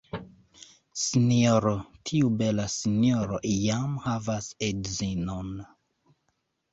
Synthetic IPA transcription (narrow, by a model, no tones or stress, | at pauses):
sinoɾotʰiube̞lasinjoɾoʔjamhavasedzinon